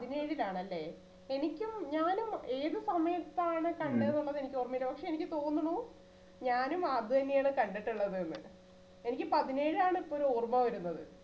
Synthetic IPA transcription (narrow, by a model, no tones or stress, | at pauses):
ɐðine̞ːɻilaːɳɐlːe̞ | e̞nikʲːumɲaːnume̞ːðɨsɐmɐjɐt̪ːaːɳɨkɐɳɖeeːnːuɭːɐðe̞nikʲːurmilːɐpɐkʂeenikʲːɨt̪o̞ːnːuɳoː | ɲaːnumɐd̪ɐnːijɐɭɨkɐɳɖiʈːuɭːɐðɨenːɨ̰ | e̞nikʲːɨpɐðine̞ːɻlaːɳipːooɾuurmɐʋɐɾunːɐðɨ